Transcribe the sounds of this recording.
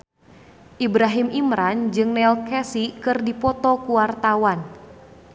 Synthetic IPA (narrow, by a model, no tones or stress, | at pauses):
ʔibɾaɦimʔimɾand͡ʒɨŋnɛlkɛsikɨrdipɔt̪ɔkuwart̪awan